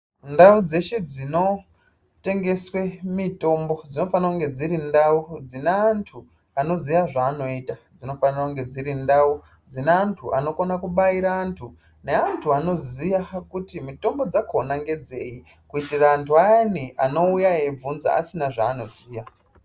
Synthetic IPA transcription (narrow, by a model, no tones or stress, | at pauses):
ndaud͡ze̞ʃe̞d͡zino̞ | te̞ŋɡe̞swemito̞mbo̞d͡zino̞fanauŋɡe̞d͡ziɾindaud͡zineantʰu | ano̞zijaʐaːno̞itad͡zino̞fanirauŋɡe̞d͡ziɾindau | d͡zineantʰuʔano̞konakuɓaiɾaːntʰu | ne̞antʰuano̞zijakutimito̞mbo̞d͡zakʰonaŋɡe̞d͡ze̞ji | kuitiraːntʰuaaniʔano̞ujaeb͡vunza̰a̰sinaʐaːno̞ziːja